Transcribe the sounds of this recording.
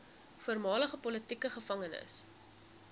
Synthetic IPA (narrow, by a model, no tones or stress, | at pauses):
fuərmɑːləχəpɔlətikəχəfɐŋənə̰s